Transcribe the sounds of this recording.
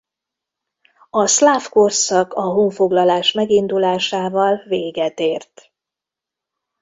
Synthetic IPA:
ɒslaːfko̞rsɒkɒɦoːɱfo̞ɡlɒlaːʃmɛɡind̪ulaːʃaːvɒlveːɡɛt̪eːrt̪

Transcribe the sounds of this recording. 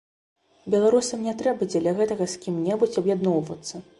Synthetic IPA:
bʲɛlˠaɾusɐmnʲɛt̪ɾɛbɐd͡zʲɛlʲɐɣɛt̪ɐɣɐsʲkʲimnʲɛbut͡sʲɐbjad̪nɔwvɐ̰t̪sːɐ

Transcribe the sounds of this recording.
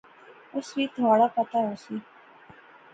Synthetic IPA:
ʊsʋiːt̪ʰʋaːɽapət̪aɦosi

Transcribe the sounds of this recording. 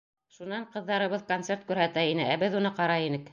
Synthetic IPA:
ʃunɑɴqɤ̆ðːɑɾɤ̆βɤðkont̪seɾt̪̚kʉɾɦæt̪æinɘʔæbɘðunɤqɑɾɑinɘk

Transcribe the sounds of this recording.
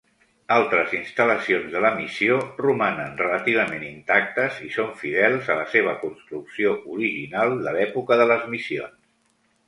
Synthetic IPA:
alˠt̪ɾəzinst̪ələsionzðələmisiorumanənrələt̪iβ̞əmenint̪ak̚t̪əzisoɱfiðɛlˠzələseβ̞əkunst̪ɾuksioʔuɾiʒinalˠd̪əlɛpukəðələzmisio̰ns

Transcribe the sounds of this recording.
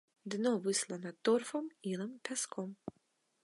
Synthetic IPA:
d̪nɔʋɪslˠɐnɐt̪ɔrfɔmilˠɛmt̪ɛskʰɔm

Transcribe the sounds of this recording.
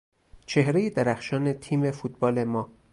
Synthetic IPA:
t͡ʃʰe̞hɾejed̪æɾæxʃɒːne̞t̪ʰiːmefuːt̪̚bɒːle̞mɒː

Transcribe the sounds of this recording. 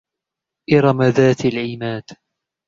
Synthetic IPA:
ʔɪɾˤɑmaðaːt̪alʕɪmaːd̪̥

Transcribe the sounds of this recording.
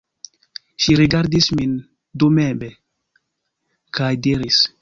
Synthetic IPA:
ʃiɾiɡaɾdismin | dumebe | kajdiɾis

